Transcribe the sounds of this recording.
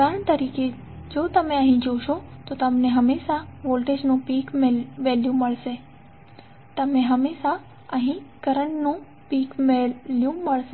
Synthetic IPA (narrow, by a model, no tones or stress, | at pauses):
kəɾəɳt̪əɾiːke | d͡ʒoːt̪əmẽəɦĩd͡ʒoʃot̪ot̪əmneɦəmeːʃaʋoːlʈed͡ʒnũpiːkmeʋeljũməɭʃe | t̪əmẽɦəmeːʃa | əɦĩkəɾəɳnũ | piːkmeljũməɭʃe